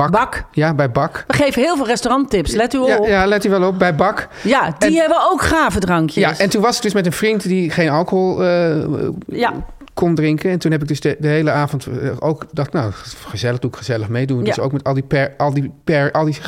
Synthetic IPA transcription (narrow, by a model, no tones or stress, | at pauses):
bbkjabɛjbɑkʋəχejvəɦɪːlˠvɪːlˠrɛstorɑntɪpslɛtyajalɛtyʋɛlˠɔp̚bɛjbɑk | jadniɦɛbəowkχaːvədrɑŋkjəjasɛntunʋɑsɪɡ̚døsmɛtənfrintdiχejnɑlˠkoɦolˠə | kɔndrɪŋkənɛntunɦɛp̬ɪɡ̚døsdəɦejləaːvɔntowkdɑtnawχəzɛləχduɪkχəzɛləχmejdundso̰wkmɛtɑlˠdipɛɹɑlˠdipɛɹʔɑlˠdi